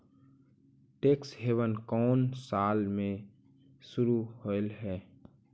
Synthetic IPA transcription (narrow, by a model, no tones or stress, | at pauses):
ʈeːksɦeʋənkɔːnsaːlmẽ | sʊɾuholɦɛː